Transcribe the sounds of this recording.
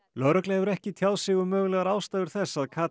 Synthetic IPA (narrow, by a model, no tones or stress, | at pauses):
lœɥɾœklɛɛvʏɾɛhcɪt̪ʰjaːwsɪːɣʏmœːɣlɛːɣaɾaːwst̪ajðʏɾ̥θɛsːaðkʰaː